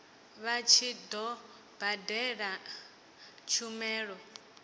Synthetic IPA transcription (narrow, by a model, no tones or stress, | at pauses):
βat͡ʃʰid̪ɔ | badɛɺa | t͡ʃʰumɛːɺɔ